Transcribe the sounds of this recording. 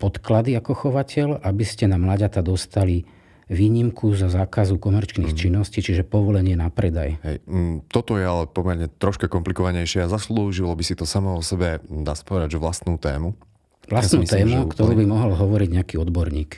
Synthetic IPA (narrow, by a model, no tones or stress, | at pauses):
pɔt̪klad̪iakɔxɔʋacɛʎabiscɛnamlaɟat̪ad̪ɔst̪ali | ʋiːɲimkʰuzɔzaːkazukɔmɛɾt͡ʃniːxt͡ʃinːɔsciːt͡ʃiʒɛpɔʋɔlɛɲɪɛnapɾɛd̪a̰jɦɛjt̪ɔt̪ɔjɛalɛpɔmɛɾɲɛt̪ɾɔʃkakɔmplikɔʋaɲɛjʃɪɛazasluːʒilɔbisit̪ɔsamɔɔsɛbɛd̪aːsḁpɔʋɛd̪aɟʒɛʋlast̪nuːt̪ɛ̰ːmu | ʋlast̪nuːt̪ɛːmukt̪ɔɾuːbimɔɦɔlɦɔʋɔɾiɟɲɛakiːɔd̪bɔɾɲiːk